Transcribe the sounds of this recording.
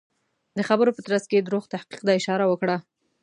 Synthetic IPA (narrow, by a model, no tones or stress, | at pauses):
d̪əxabəɾopət̪ɾasked̪ɾoɣt̪ahqi̥q̚d̪ɑɪʃɑɾawəkɽa